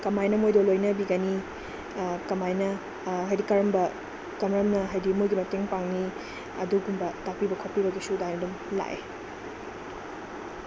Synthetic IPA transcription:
kɐmajnɐmojdolojnɐbiɡɐni | kɐmajnɐ | ɦɐjdikɐɾɐmbɐ | kɐmɾɐmnɐɦajdimojɡimɐteŋpaŋni | ɐ̰duɡumbɐtak̚pibɐkʰopibɐɡisudajnɐdum | la̰ʔḛ

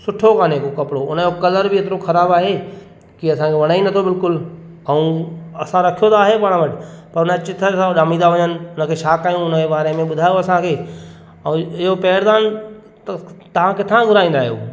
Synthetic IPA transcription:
sʊʈʰokaːnekokɐpɪɽoʊnəokɐləɾbɪeːt̪̬ɪɾoxʰɐɾaːbaːɦe | kiɐsãkʰeʋɐɽ̃aːĩnd̪t̪ʰobɪlkʊl | ɛũɐsãɾɐkʰijot̪aːɦepaːɽ̃ʋɐʈʰɪpɐɾʊnət͡ɕɪt̪ʰəsãɗaːmĩːnd̪aʋɐɲənɪ̆ʊnə̆kʰeːʃaːkaːɦjũʊnəebaːɾemẽɓʊd̪ʱaːjoɐsãkʰeː | ɐ̃ɪɦopɛːəɾd̪aːn | t̪ɐt̪ɐʋ̤ãkɪt̪ʰãɡʱʊɾaːĩn̆d̪aːɦijo̰ː

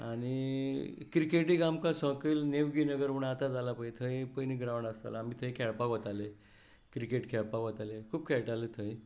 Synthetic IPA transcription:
aɽ̃i | kɾikeʈiɡamkasə̃kiːlneʋɡinəɡəɾuɳat̪ad͡zalapəjt̪ʰəĩpəniɡɾaʋwɳɖast̪a̰laːmiːt̪ʰəjkʰɛɭpakɔt̪ale | kɾikeʈkʰɛɭpakɔt̪alekʰuːb̚kʰɛɭʈalet̪ʰəĩ

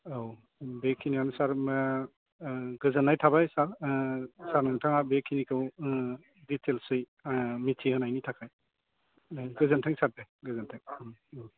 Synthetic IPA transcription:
aw | bekʰːinianusaɾ | ɡɯzɯnːajtʰabajsaɾ | saɾnaŋtʰaŋabekʰinikʰɯw | ditʰelsɯj | mitʰihɯnajnitʰakʰaj | ɡɯzɯntʰɯŋsat̚bajɡɯzɯntʰɯŋ

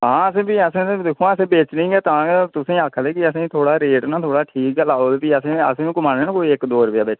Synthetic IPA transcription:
ɦãːəsẽːbiːəsẽːd̪ekʰːõːaːəsẽːbeːt͡ʃnĩːɡɛːt̪ãːt̪ʊsẽːaːkʰːd̪eːkɪəsẽːt̪ʰoːɽaːɾeːʈnãːt̪ʰoːɽaːʈʰiːklaːoːd̪piːəsẽːə̰sẽːkʊmaːneːnãkoːiɪkd̪oːɾəbjaːbeːt͡ʃ

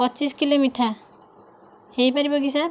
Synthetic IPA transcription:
pɔt͡ʃiskilomiʈʰa | hejpaɾibɔɡis̬aɾ

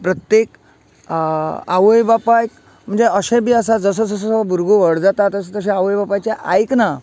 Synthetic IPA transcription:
pɾət̪jek | a̰ʋəjbapajk | m̤əɳd͡zeʔəɕẽbiːəsad͡zəs̬əsəsəsəbʱuɾɡoʋəɽd͡zat̪at̪əsət̪əɕ̬ẽaʋəjbapajt͡ɕeʔajkna

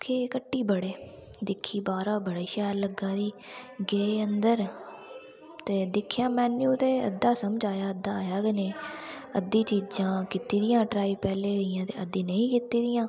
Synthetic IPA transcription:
kʰeːkəʈːiːbəɽeː | d̪ɪkʰːiːbaːɾaːbəɽaːʃɛːɾləɡãːd̪iːɡeːeənd̪əɾ | t̪eːd̪ɪkʰːjãːmɛ̃ːnĩt̪eːə̰d̪aːsəmd͡ʒaːjaːəd̪ãːjaːɡəneːəd̪ːiːt͡ʃiːd͡ʒãːkɪt̪iːd̪ɪjãːʈɾaːiːpɛːleːd̪ɪjãːt̪eːʔəd̪ĩːnəĩːkɪt̪iːd̪ɪjãː

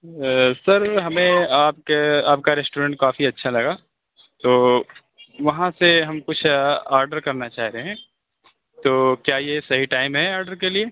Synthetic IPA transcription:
sɐɾɦɐmẽaːp̚keaːp̚kaɾɛːsʈuːɾə̃ɳʈ̚kaːfiɐtːʃʰalɐɡaː | t̪oː | ʋɐɦãseɦɐmkʊt͡ʃʰaːɾɖəɾkɐɾnat͡ʃaːɦɾeɦɛ̃ː | t̪oːkjaːjesɐɦiʈaːɪmɦɛaːɾɖəɾkelie

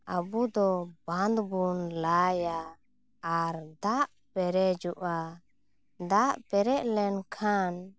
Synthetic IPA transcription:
abud̪ɔband̪bunlajaː | ɾd̪aʔ | pɛɾɛd͡ʒuʔa | d̪aʔpɛɾɛʔlɛnkʰan

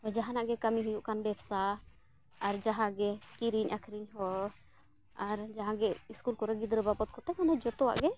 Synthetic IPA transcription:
ɔd͡ʒaɦanaʔɡɛkamiɦujuʔkanbɛbsa | aɾd͡ʒaɦãɡɛkiɾiɲʔakʰɾiɲɦɔ | aɾd͡ʒaɦãɡɛiskulkɔɾɛɡid̪ɾəbapɔt̪̚kɔt̪ɛmanad͡ʒɔt̪ɔwa̰ʔɡɛ

